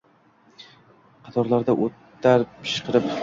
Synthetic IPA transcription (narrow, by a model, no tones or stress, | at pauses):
qʰɑt̪ʰɒɾlaɾd̪aʔot̪ː | aɾpʰɪ̥ʃqʰɨɾɪp